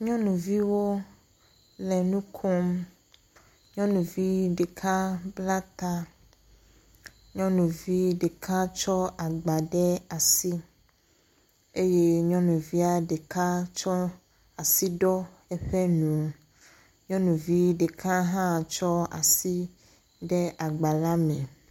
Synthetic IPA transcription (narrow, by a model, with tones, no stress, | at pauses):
ɲɔ̃˦nũ˨vi˦wo˦ | lɛ˨nũ˦kʰɔ˦m | ɲɔ̃˦nũ˨vi˦ɖe˨kʰa˦bla˦t̪a˦ | ɲɔ̃˦nũ˨vi˦ɖe˨kʰã˦t͡ʃɔ˦a˨ɡ͡ba˨ɖɛ˦a˨si˦ | e˦je˦ɲɔ̃˦nũ˨vi˦a˦ɖe˨ka˦t͡ʃɔ˦ | a˨si˦ɖɔ˦ | ɛ˦ɸɛ˦nũ˨ | ɲɔ̃˦nũ˨vi˦ɖe˨kʰã˦ɦã˦˨t͡ʃɔ˦a̰˨si˦ | ɖɛ˦a˨ɡ͡ba˨la˦mɛ̃˨